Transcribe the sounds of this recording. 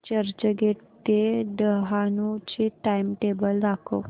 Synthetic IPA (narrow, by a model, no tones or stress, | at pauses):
t͡ɕəɾt͡ɕəɡeʈt̪eɖəɦanut͡ɕiʈaimʈebəld̪akʰo̰